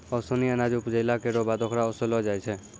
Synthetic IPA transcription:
ɔsɔniənad͡ʒupd͡ʒəjlakeɾɔbad̪ʱɔkʰɾaɔsɔlɔd͡ʒajt͡ʃʰɛ

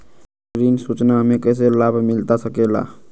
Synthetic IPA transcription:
ɾinsut͡ʃnaɦmekəs̬elabʱmilt̪asəkela̰

